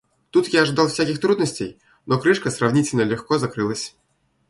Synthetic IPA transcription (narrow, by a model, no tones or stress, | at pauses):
t̪ut̪jaɐʐɨd̪alˠfsʲakʲixt̪ɾud̪nəsʲtʲej | nɔkɾɨʂkəsravnʲitʲɪlʲnəlʲɪxkɔzakɾɨlˠəsʲ